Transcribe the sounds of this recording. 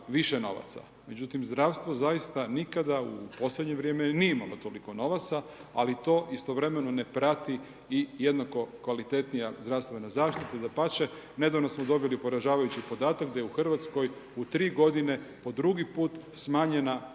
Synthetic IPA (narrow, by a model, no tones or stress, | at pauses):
ʋiʃeno̞ʋa̰t̪sa̰ | me̞d͡ʑut̪imzd̪ɾaʋst̪ʋo̞zajist̪anikad̪aṵpo̞sled̪ɲe̞ʋɾjemenijeimalo̞t̪oliko̞no̞ʋat̪sa | alit̪o̞ːʔist̪o̞ʋɾe̞me̞none̞pɾat̪i | ijed̪nako̞kʋalit̪e̞t̪nijazd̪ɾaːʋst̪ʋenazaːʃt̪it̪ed̪apat͡ɕe | ne̞d̪aʋno̞smod̪o̞bilipo̞ɾaʒaːʋajut͡ɕipo̞d̪aːt̪akd̪ajeuxr̩ʋat̪sko̞jut̪ɾiːɡo̞d̪ine̞po̞d̪ɾuɡipuːt̪smaːɲe̞na